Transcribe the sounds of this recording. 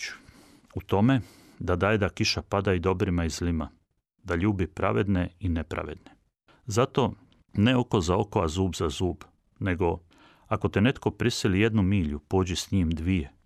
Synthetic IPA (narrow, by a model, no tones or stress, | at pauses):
ut̪o̞me̞ | d̪ad̪ajed̪akiʃapad̪aid̪o̞bɾimaizlima | d̪aʎuːbipɾa̰ʋed̪neine̞pɾa̰ʋe̞̰d̪ne | zat̪o̞ | neokozao̞koazuːbzazuːb | ne̞ɡo̞ | ako̞t̪ene̞t̪ko̞pɾisilije̞d̪numiːʎupoːd͡ʑisɲiːmd̪ʋije̞